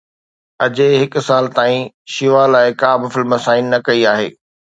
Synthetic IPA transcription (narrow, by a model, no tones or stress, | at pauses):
ɐd͡ʑeɦɪkʊ̆saːlt̪aːĩ | ʃiʋalaːɪkaːbɪfɪlmɐsaːɪnːɐkɐiaːɦḛː